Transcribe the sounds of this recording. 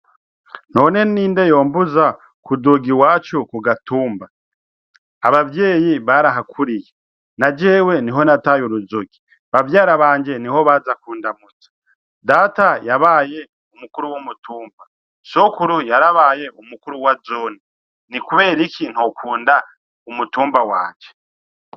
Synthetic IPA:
no̞ːne̞niːnde̞jo̞ːmbuza | kuduɡiwaːt͡ʃukuɡatuːmba | aβavje̞ːjiβaɾaɦakʰuɾije | nad͡ʒe̞ːwe̞niɦo̞natajuɾuzoɡi̥ | βavjaːɾaβaːɲd͡ʒe̞niɦo̞βaːzakuːndamut͡sḁ | daːtajaβaːje̞ | umukuɾuwumutuːmba | so̞kuɾujaɾaβaːje̞ʔumukuɾuwazoni | nikuβe̞ːɾikʰin̥okʰuːnda | umutuːmbawa̰ːt͡ʃe

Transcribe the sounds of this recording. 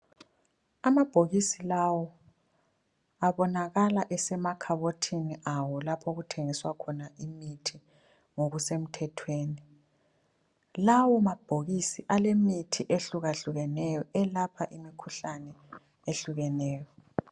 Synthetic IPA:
amab̥ʱoɣisilawɔ | aβɔnaɣalaʔɛsɛmakʰaβotʰiniʔawɔlapʰoɣutʰeŋiswakʰɔnaimitʰi | ŋoɣusem̩tʰɛtʰweːni | lawɔmab̥ʱoɣisiʔalemitʰiʔeɬuɣaɬuɣɛnɛjɔɛlapʰaʔimikʰuɬanɛ | eɬuɣɛnɛːjɔ

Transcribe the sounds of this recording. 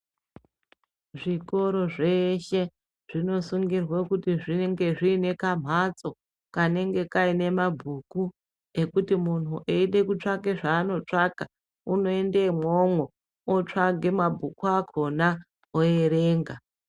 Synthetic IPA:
ʐiko̞ɾo̞ʐe̞ʃe̞ | ʐ̥ino̞suŋɡirwekutiʐineŋɡe̞ʐiːne̞kam̤ʱat͡so̞ | kane̞ŋɡe̞kaine̞mabʱuku | e̞kutimun̤uʔeiɗe̞kut͡ʂakeʐaːno̞t͡ʂaka | uno̞e̞ndemomwo | ot͡ʂaɡʱe̞mabʱukuakʰo̞na | oeɾe̞ːŋɡa

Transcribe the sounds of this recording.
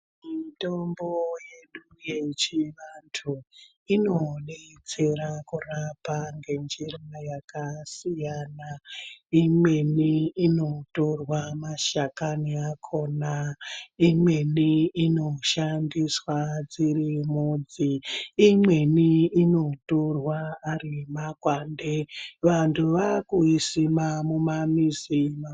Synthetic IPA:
mitomboje̞ɗuje̞t͡ʃiʋantʰu | ino̞neit͡se̞ɾakurapaŋɡe̞nd͡ʒirajakasijaːnaimwe̞niːno̞to̞rwamaʃakaniakʰo̞ːnaimwe̞niino̞ʃandiswad͡zirimud͡ziːmwe̞niino̞torwaːrimakwandeʋantʰuʋakuisimamumamizima

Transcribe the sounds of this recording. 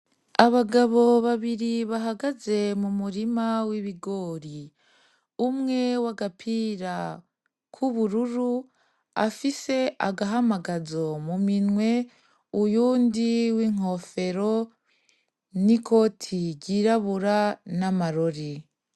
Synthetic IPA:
aβaɡaβo̞βaβiɾiβaɦaɡaze̞mumuɾimawiβiɡo̞ːɾi | umŋe̞waɡapʰiɾa | kʰuβuɾuɾu | a̰fise̞aɡaɦamaɡazo̞muminŋwe̞ | ujuːndiwiːŋ̥o̞fe̞ɾo̞ | niko̞ːtʰiɟiɾaβuɾanamaɾoɾi

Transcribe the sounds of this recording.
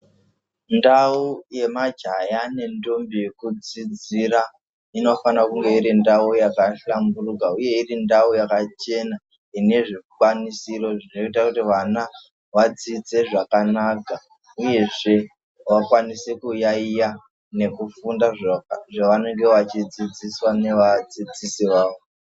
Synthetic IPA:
ndauje̞mad͡ʒʱajane̞ndombijekud͡zid͡ziɾa | ino̞fanakuŋɡe̞iɾindaujakaɬamburukauje̞irindaujakat͡ʃe̞na | ine̞ʐekwanisiro̞ʐino̞itakutiʋana | ʋad͡zid͡ze̞ʐakanaka | uje̞ʐe̞ | ʋakwanisekujaija | ne̞kufundaʐʐaʋane̞ŋɡe̞ʋat͡ʃid͡zid͡ziswane̞ʋad͡zid͡zisiʋaːʋo

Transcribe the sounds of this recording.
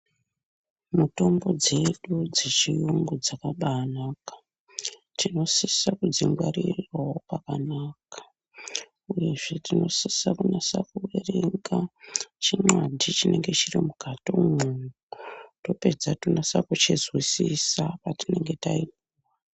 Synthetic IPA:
muto̞mbo̞d͡ze̞ɗud͡zet͡ʃijuŋɡud͡zakaɓaːnakḁ | tino̞sisakud͡ziŋɡwaɾirwaopakanaːkḁ | uje̞ʐe̞tino̞sisakunasakuwereŋɡat͡ʃimwadʱit͡ʃine̞ŋɡe̞t͡ʃirimuɡ̥ʱato̞munuto̞pe̞d͡zatunasakut͡ʃezwisisapatine̞ŋɡe̞taipuwa

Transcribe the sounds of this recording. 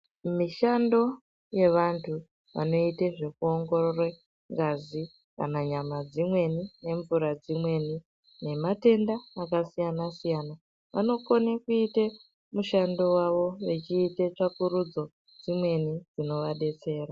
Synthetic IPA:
miʃando̞ | je̞ʋantʰu | ʋa̰no̞iteʐe̞kuo̞ŋɡo̞rore | ŋɡazi | ka̰naɲamad͡zimwe̞nine̞ɱvuɾad͡zimwe̞ni | ne̞mate̞ndaːkasijanasijana | ʋa̰no̞konakuite | muʃando̞waʋo̞ʋet͡ʃiːtet͡ʂakuɾud͡zo̞ | d͡zimwe̞nid͡zino̞ʋaɗe̞t͡se̞ːra

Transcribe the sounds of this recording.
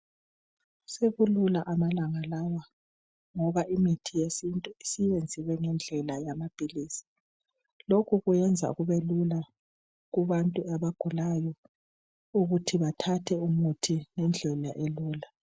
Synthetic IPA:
seβululaʔamalaŋalawa | ŋɔβaʔimitʰijesintʼuisiβend͡zʱiwɛŋɛnd͡ɮʱɛlajamab̥ʱiliːsi̥ | lokʰuɣujɛnd͡zʱa̰ɣuβelula | ɣuβantʼuaβaɡ̥ʱulajɔ | uɣutʰiβatʰatʰɛumutʰinɛnd͡ɮʱɛlaʔeluːla

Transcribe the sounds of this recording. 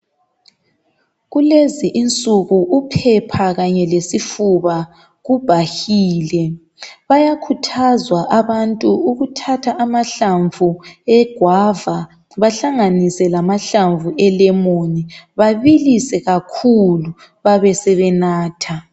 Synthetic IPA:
ɣuleziʔint͡sʼuɣuʔupʰɛpʰaɣaɲɛlesifuβa | ɣub̥ʱahiːlɛ | βajakʰutʰazwaʔaβantʼuuɣutʰatʰaʔːmaɬaɱvuɛɡ̥ʱwava | βaɬaŋanisɛlamaɬaɱvuʔɛlɛmoniβaβilisɛɣakʰulu | βaβɛsɛβɛnaːtʰa

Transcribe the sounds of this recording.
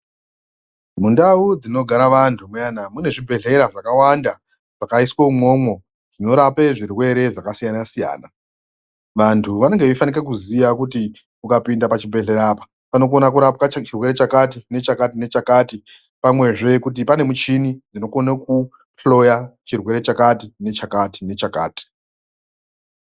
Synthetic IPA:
mundaud͡zino̞ɡʱaɾaʋantʰumujanamune̞ʐibʱe̞ɮe̞ɾaʐakawanda | ʐ̥akaiswoumo̞ːmwo̞ | d͡zino̞ɾapeʐirwe̞ɾe̞ʐakasijanasija̰ːna | ʋantʰuʋane̞ŋɡe̞ʋifanikak̬uzijakuti | kukapindapat͡ʃibʱe̞ɮe̞ɾaːpḁ | pano̞k̬o̞nakuɾap̚kat͡ʃirwe̞ɾe̞t͡ʃakatine̞t͡ʃakatine̞t͡ʃakaːti | pamwe̞ʐe̞kut̬ipane̞mut͡ʃinid͡zino̞ko̞naku | plo̞jat͡ʃirwe̞ɾe̞t͡ʃakatine̞t͡ʃakati̥ne̞t͡ʃaka̰ːti̥

